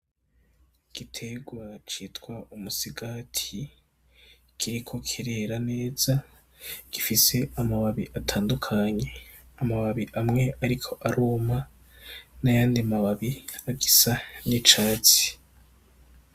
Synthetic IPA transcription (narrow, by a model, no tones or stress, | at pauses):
ɡ̥itʰe̞ɡwat͡ʃiːtkwaumusiɡatʰi | kʰiɾikʰo̞kʰiɾe̞ɾane̞ːz̥a | ɡ̥ifise̞amaβaβiʔatʰaːndukʰaɲe̞ | amaβaβiʔamŋe̞aɾikʰo̞ʔaɾuːma | najaːndiamaβaβiaɡisanit͡ʃaːt͡si̥